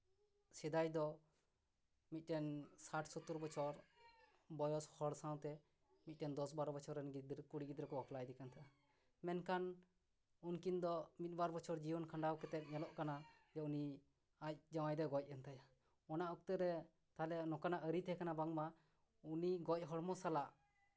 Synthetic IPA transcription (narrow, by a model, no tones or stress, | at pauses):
sɛd̪ajd̪ɔ | mit̪̚ˀʈɛnsaʈʰsɔt̪uɾbɔt͡ʃʰɔɾ | bɔjɔshɔɽsaw̃t̪ɛ | mit̪̚ʈɛnd̪ɔsbaɾɔbɔt͡ʃʰɔɾɛnɡid̪ɾkuɽiɡid̪ɾɛkɔbɔklajd̪ɛkant̪ʰaʔa | mɛnkan | unkind̪ɔmit̪̚ˀbaɾbɔt͡ʃʰɔɾd͡ʒiwɔnkʰaɳɖawkɛt̪ɛt̪̚ˀɲɛlɔʔkana | d͡ʒɔuni | ac̚d͡ʒawajd̪ɔɡɔc̚ˀɛnt̪ʰaja | ɔnaʔɔk̚t̪əɾɛ | t̪alɛnɔkanaʔəɾit̪ɛkanabaŋma | uniɡɔc̚ˀɦɔɽmɔsalaʔ